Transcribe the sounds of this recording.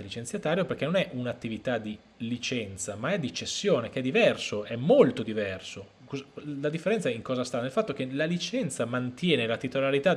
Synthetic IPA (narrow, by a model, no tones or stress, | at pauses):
lit͡ʃent̪sjat̪aːɾjoperk̟enːonɛʔunat̪ːivit̪ad̪i | lit͡ʃɛnt̪samaɛd̪ːit͡ʃːesːjoːnekeɛd̪ivɛrsoɛmːolt̪od̪ivɛrso | kolad̪ifːeɾɛnt̪saiŋkɔːzast̪anelfat̪ːok̟elalit͡ʃɛnt̪samant̪jɛːnelat̪it̪olaɾit̪a